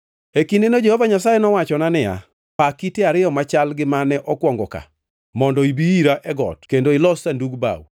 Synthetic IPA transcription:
ekindenod͡ʒehovaɲas̬ajɛnɔwat͡ʃɔnanɪja̰ | pakiteaɾɪjɔmat͡ʃalɡɪmanɛʔɔkwɔŋɡɔka̰ | mɔndɔibiiɾaʔɛɡɔ̰tkendoɪlɔsanduɡba̰w

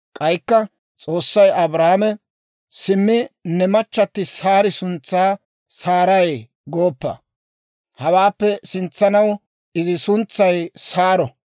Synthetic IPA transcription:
kʼɐjkːɐ | t͡sʼo̞ːsːɐjɐbɾaːmɛ | sɪmːɪnɛmɐt͡ʃːɐt̪ːɪsaːɾɪsʊnt͡sːaː | saːɾɐj | ɡoːpːɐ̰ | hɐwaːpːɛsɪnt͡sːɐnɐw | ʔɪzɪsʊnt͡sːɐjsaːɾɔ

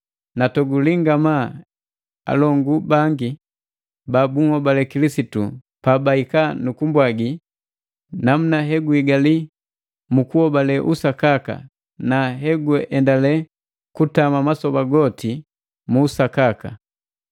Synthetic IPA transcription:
natɔɡuliŋɡama | a̰lɔŋɡubaŋɡi | babuŋhɔbalɛkilisitṵ | pabaikanukumbwaɡi | nam̩naɦɛɡuiɡali | mukuhɔbalɛʔusakaka̰ | naɦɛɡuɛʔɛndalɛ | kutamamasɔbaɡɔti | muːsakaka̰

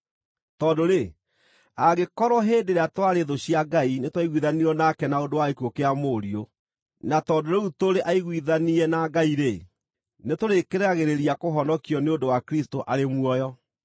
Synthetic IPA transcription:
tɔːdoɾe | aɣekɔɾwɔɦeːdeɾeatwaɾeðoɕiaɡainetwaiɣwiðaniɾɔnakɛnaodowaekuokeamoɾio | natɔdoɾeutoɾeʔaiɣwiðaniɛnaɡaiɾe | netoɾekeɾɛaɣeɾeɾiakoɦɔnɔkiɔneondowakɾistoʔaɾemwɔjɔ

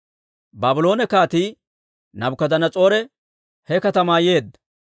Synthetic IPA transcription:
baːbʊlo̞ːnɛkaːt̪iː | nɐbʊkɐd̪ɐnɐt͡sʼo̞ːɾɛ | hɛkɐt̪ɐmaːje̞ːd̪ːɐ̥

